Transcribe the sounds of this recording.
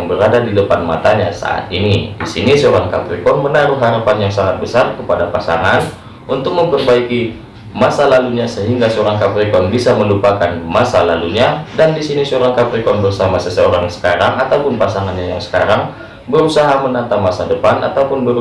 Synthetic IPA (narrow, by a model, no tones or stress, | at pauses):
ŋbəɾadadidəpanma̰t̪aɲasa̰ʔa̰t̪inidisinisəoɾaŋka̰pɾikɔnmənaɾʊhɦaɾapanjaŋsaŋat̪̚bəsarkəpadapasa̰ŋan | unt̪ʊk̚məmpərbaiki | masalaluɲasəɦiŋɡasəoɾaŋkapɾikɔnbisaməlupakanmasalaluɲadandisinisəoɾaŋkapɾikɔnbərsamasəsəoɾaŋsə̥kaɾaŋat̪awpʊnpasaŋanɲajaŋsə̥kaɾaŋ | bəɾusaɦamənant̪amasadəpana̰t̪aupʊnbəɾ